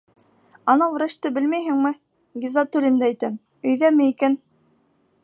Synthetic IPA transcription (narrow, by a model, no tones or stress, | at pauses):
ɑnɑwɾæʃt̪ɘbɘ̆lmæjɦɘŋmɘ | ɡʲizɑt̪uɾʲɘ̆nd̪ææjt̪ɘm | ɵ̆jðæmɘikæn